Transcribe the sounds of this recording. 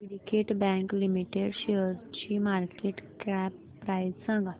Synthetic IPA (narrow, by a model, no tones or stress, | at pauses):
iɽikeʈbɛ̃ŋklimiʈeɖʃeəɾt͡ɕimaɾkeʈkɾɛpːɾaizsãŋɡa